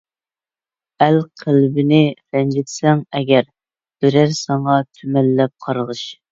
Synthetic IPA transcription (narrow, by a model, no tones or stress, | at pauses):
ælqʰəlbɪnɪɾɛnd͡ʒɪt̪sɛŋɛɡʲɛɾ | b̥ɪɾæɾsɑɴɑt̪ʰymælːɛp̚qʰɑɾʁɨʃ